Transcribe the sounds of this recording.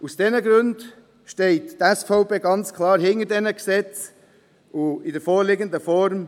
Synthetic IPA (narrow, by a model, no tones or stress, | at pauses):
usd̥ɛnəɡɾʉnd | ʃtɛɪttɛsfɔʊpeːɡɑnt͡skʰlɑːɾɦɪŋəɾdɛnəksɛt͡s | ʊɪdəɾfɔːɾlɪɡəndəfɔɾm